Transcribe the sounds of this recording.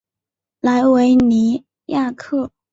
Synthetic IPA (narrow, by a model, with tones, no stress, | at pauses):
la˧˥ɪwe˧˥ɪni˧˥ | ja˥˧kʰɤ˥˩